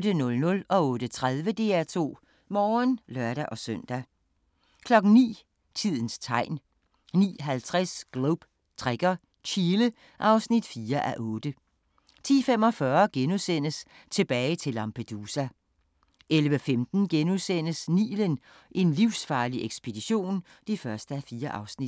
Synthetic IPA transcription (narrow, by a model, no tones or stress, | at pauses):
dənɔ̽lnɔ̽lɒ̽ɔ̽ːd̥ət͡sʰʁað̞ˠʋəd̥e̝æɐt͡sʰo̝̰ː | mɒːnlɶɐdæʔɒ̽søn̰d̥æ | kʰlɒ̽ɡ̥n̩nḭː | t͡sʰið̞̰ˠn̩st͡sʰɑ̈ɪ̰n | nḭːɦælt͡sʰʁasɡ̥loʊb̥ | t͡sʰʁɛɡ̥ɐ | t͡ɕʰiːlə | ʔɑ̈ʊsnid̥fiːɐʔæʔɔ̽ːd̥ə | t͡sʰḭːfem̰ɒ̽fɶɐɡ̥enusen̰əs | t͡sʰe̝b̥ɛːɪt͡sʰe̝lɑ̈mpʰed̥uːsæ | ʔelʋəfemd̥n̩ɡ̥enuðˠsen̰əsnḭːlən | ʔe̝nliʊsfɑ̈ːliʔeɡ̥sb̥e̝d̥iɕo̝̰ːn | d̥ifɶɐsd̥əæfiːɐʔɑ̈ʊsnid̥